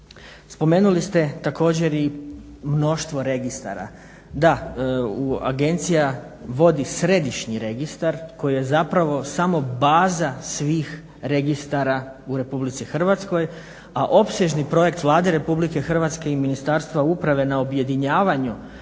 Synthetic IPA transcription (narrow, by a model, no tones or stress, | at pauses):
spo̞me̞ːnulist̪e̞t̪ako̞ːd͡ʑe̞ɾimno̞ʃt̪ʋo̞ɾe̞ɡist̪a̰ɾa̰ | d̪aua̰ɡe̞nt̪sija | ʋo̞d̪isɾe̞d̪iʃɲiɾeɡist̪aɾko̞jije̞zapɾaʋo̞samo̞baːzasʋiːx | ɾe̞ɡist̪aɾauɾe̞publit̪sixr̩ʋat̪sko̞j | aʔo̞pseʒnipɾo̞je̞k̚t̪ʋlˠaːd̪e̞ɾe̞publike̞xr̩ʋat̪ske̞iminist̪aɾst̪ʋaupɾaʋe̞naobje̞d̪iɲaːʋaɲu